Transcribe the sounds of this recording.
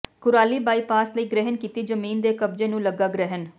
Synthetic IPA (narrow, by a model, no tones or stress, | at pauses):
kʊɾaːliːbaːiːpaːsləiːɡɾɪɦənkiːt̪iːd͡ʒəmiːnd̪eːkəbd͡ʒeːnũːləɡːaːɡɾɛɦən